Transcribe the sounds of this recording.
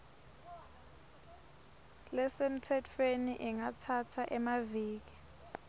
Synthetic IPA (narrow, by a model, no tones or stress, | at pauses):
lɛsem̩tʰɛtʰweniʔɛŋatʰatʰaʔɛmaviːk̬i̥